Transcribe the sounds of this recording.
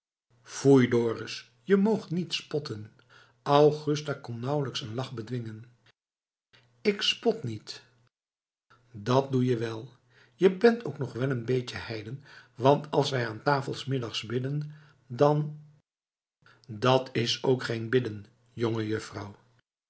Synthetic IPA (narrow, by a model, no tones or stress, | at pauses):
fujdoːrəs | jəmowχtnitspɔtən | ʔɑwχʏstakɔnnɑwləksənlɑχbədʋɪŋən | ɪkspɔtnit | dɑt̚dujəʋɛlˠ | jəbɛntoʊwknɔχʋɛlənbejcəhɛjdənʋɑntɑ̰lˠsʋɛjaːntaːfəlˠsmɪdɑχsbɪdən | dɑn | dɑtɪsowkχejnbɪdən | joŋəjɵfrɑw